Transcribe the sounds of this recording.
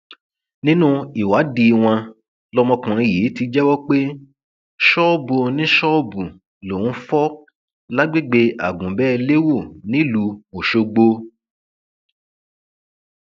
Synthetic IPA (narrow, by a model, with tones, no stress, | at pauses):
nĩ˦nũ˦i˨wa˨˦di˧w̃ã˧ | lɔ˦mɔ̃˧kũ˨ɾ̃ĩ˧ji˨˦ti˧d͡ʒɛ˦wɔ˦k͡pe˦ | ʃɔ˦bo˧nĩ˦ʃɔ˦bu˨ | lo˨nũ˦fɔ˦ | la˦ɡ͡be˦˨ɡ͡be˧a˨ɡũ˨bɛ˦le˦wo˦˨nĩ˨˦lu˧o˨ʃo˧ɡ͡bo˧